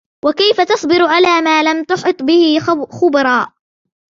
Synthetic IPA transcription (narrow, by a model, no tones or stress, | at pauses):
wakajfat̪ɑsˤbɪɾʕalaːmaːlamt̪ʊħɨt̪ˤbɪhɪxʊbɑɾˤɑːʔ